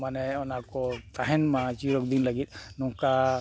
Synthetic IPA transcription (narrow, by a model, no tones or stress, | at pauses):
manɛɔnakɔt̪aɦɛnmat͡ʃiɾɔk̚d̪inləɡit̪̚nɔŋka